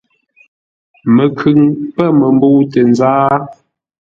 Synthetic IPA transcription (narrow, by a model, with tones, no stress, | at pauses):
mə˨kʰʉ˨ŋpə˦mə˨mbo˦wtə˨n˨zaː˦